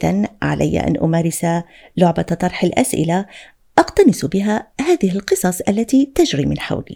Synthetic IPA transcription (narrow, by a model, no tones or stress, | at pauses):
anʕa̰lʔa̰jːa̰ʔa̰nʔʊ̰maːɾɪsa | lʊʕbat̪t̪ˤɑɾˤħalʔa̰sʔɪ̰la | ʔɑqt̪ɑnɪsbɪɦahaːðɪhɪlqɨsˤɑsˤʔalːat̪iːt̪ad͡ʒɾiːmɪnħa̰wlḭ